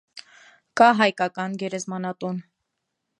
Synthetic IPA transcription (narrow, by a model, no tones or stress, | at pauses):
kɑɦɑjkɑkɑnɡɛɾɛzmɑnɑt̪un